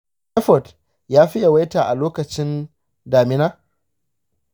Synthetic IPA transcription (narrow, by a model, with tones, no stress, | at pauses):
ɛ˦ɸɔ˨t | jaː˦ɸɪ˦ja˨wa˦jtaː˨ʔa˨loː˦kɐ˨t͡ʃɪ˦n | daː˨mɪ˦naː˦